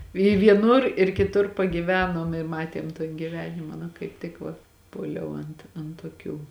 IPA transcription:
ɪ ʋʲiɛˈnʊr ɪr kʲɪˈtʊr pɐɡʲiːˈʋʲæːnoːm ɪ ˈmɑːtʲiɛm toːn ɡʲɪˈʋʲæːnʲɪmɐ nɐ kɐɪp ˈtʲɪk ʋɐ ˈpuɔlʲɛʊ ɐnt ɐn toːˈkʲuː

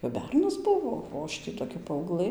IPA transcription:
kɐp ˈbʲɛrnɐs ˈbʊʋoː oː ˈɐʃ tʲiː toːˈkʲɛ pɐɐʊˈɡlˠɘ

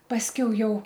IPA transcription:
pɐsʲˈkʲɛʊ ˈjɛʊ

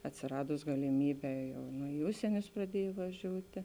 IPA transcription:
ɐtʲsʲɪˈrɑːdʊs ɡɐlʲɪˈmʲiːˌbʲɛː ˈjɛʊ nʊ ɪ ˈʊʃʲsʲiɛnʲʊs prɐˈdʲiɛj ʋɐˈʒʲuːtʲɪ

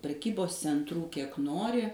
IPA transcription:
pʲrʲɛˈkʲiːboːs t͡sʲɛntˈruː ˈkʲiɛk ˈnoːrʲɪ

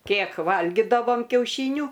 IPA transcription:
ˈkʲeːk ˈʋɐlʲɡʲɪdɐʋoːm kʲɛʊˈʃʲiːnʲuː

